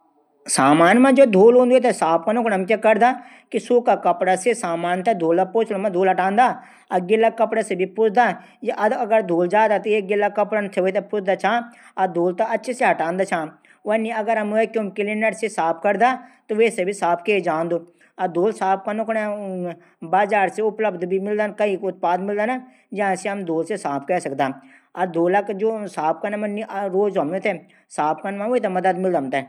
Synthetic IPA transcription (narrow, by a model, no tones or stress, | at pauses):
saːmaːnmãd͡ʒoːd̪ʱoːlõːnd̪t̪esaːp̚kanʊknɐmk̬akɐɾd̪a | kisuːkakɐpɽasesaːmaːnt̪ad̪ʱoːlapoːt͡ʃlomãd̪ʱoːlɦɐʈãːnd̪aː | ɐɡɪlːakɐpɽasebʱipʊt͡ʃd̪a | jeʔɐd̪ɐɡəɾd̪ʱoːld͡ʒaːd̪at̪oeːɡɪlːakɐpɽant̪ʰeʋot̪̬epʊt͡ʃd̪at͡ʃʰãː | ɐd̪ʱoːlt̪aɐtːʃʰeseɦɐʈãːnd̪at͡ʃʰãː | ʋeniɐɡəɾɐmekjõmkɪlinəʈsesaːp̚ʰkəɾd̪aːt̪oʋeːsebʱisaːpʰked͡ʒãːnd̪oː | ad̪oːlsaːp̚ʰkanʊkɽa | baːzaːɾseʊpləbd̪bʱimɪld̪aːnkɐikʊt̪̚paːd̪mɪld̪aːna | d͡ʒãseɦɐmd̪oːlsesaːp̚ʰkɛːsəkd̪aː | ad̪oːlakd͡ʒoːsaːp̚ʰkanãmɐnːiʔɾoːzomet̪ʰe | saːp̚ʰkanmãʋoit̪̬amɐd̪əd̪mɪld̪ə̃nt̪e